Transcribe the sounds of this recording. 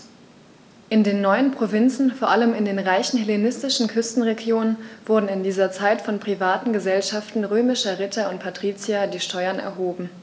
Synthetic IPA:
ʔɪndeːnːɔʏənpʁ̥ovɪnt͡sn̩foːɐʔaləmɪndeːnʁaɪçn̩hɛlenɪstɪʃn̩kʰʏstn̩ʁeɡjoːnənv̥ʊɐdn̩ɪndiːzɐt͡saɪtfɔnpʁ̥ivaːtn̩ɡəzɛlʃaftn̩ʁøːmɪʃɐʁɪtʰɐʊnt̚pʰatʁ̥iːt͡sjadiːʃtʰɔʏɐnɛ̰ɐɦoːbm̩

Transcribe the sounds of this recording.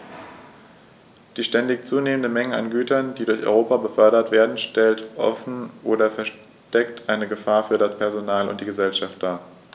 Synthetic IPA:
d̥iːʃtɛndɪçt͡suːneːməndəmɛŋəa̰nɡyːtɐnd̥iːdʊɐçʔɔ̰ʏʁoːpabəfœɐɾɐtv̥eːɐdn̩ʃtɛltʔɔ̰fn̩ʔoːdɐfɛɐʃ | tɛktʰʔaɪnəɡəfaːɐfyːɐɾaspʰɛɐzonaːlʊ̰ntd̥iːɡəzɛlʃaft̚d̥aːɐ

